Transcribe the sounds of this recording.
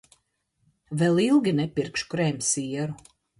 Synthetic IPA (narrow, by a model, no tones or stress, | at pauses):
vɛlˠilˠɡʲinɛpʲiɾkʃkɾɛmʲsiɛɾu